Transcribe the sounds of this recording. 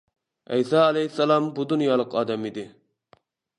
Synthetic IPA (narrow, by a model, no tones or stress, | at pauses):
ɛ̰jsɑɛlɛjhɪsːɛlˠɑmbud̪unjɑːlˠəqɑːd̪ɛmid̪ɪ